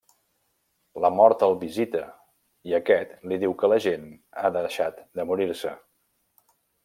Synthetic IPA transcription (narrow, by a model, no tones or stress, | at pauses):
ləmɔɾt̪əlˠβizit̪ə | iəkɛt̪liðiwkələʒena̰ðəʃat̪d̪əmuɾiɾsə